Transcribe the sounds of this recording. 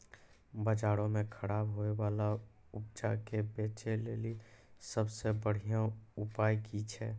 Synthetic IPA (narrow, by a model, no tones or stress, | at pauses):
bəd͡ʒaːɽõmẽkʰəɾaːbɦoewaːlaʊp̚d͡ʒakebeːt͡ʃeleːlisəbsebəɽ̤ijãʊpaːjkit͡ʃʰɛː